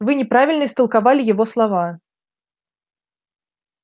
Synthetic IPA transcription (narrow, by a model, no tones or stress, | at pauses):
vɨnʲɛpɾavʲilʲnəst̪ɨlˠkavalʲijavɔslˠava